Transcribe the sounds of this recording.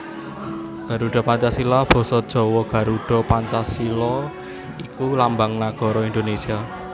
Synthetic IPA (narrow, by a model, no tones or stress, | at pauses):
ɡ̥a̤ɾuɖ̥ɔ̤paɲt͡ʃasilɔb̥ɔ̤sɔd̥ʒ̥ɔ̤wɔɡ̥ä̤ɾuɖ̥ɔ̤paɲt͡ʃasilɔ | ikulambaŋnaɡ̥ɔ̤ɾɔind̪onesia